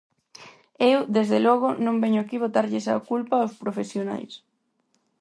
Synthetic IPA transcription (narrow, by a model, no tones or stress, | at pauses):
ewd̪ezðelɔɣ̞ʊnõmbɛɲʊakiβ̞ot̪aɾʎɪsa̰kulpaawspɾofesjona̰js